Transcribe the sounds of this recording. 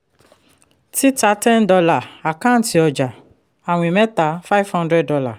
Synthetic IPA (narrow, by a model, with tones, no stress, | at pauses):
ti˦ta˧˦tɛ̃˦ndɔ˧la˦˨a˨kã˦˨n̩˨ti˧ɔ˧˨d͡ʒa˨ | a˨w̃i˨mɛ̃˦ta˨˦fa˦i˦˨vhɔ̃˦ndɾɛ˦dɔ˧la˦˨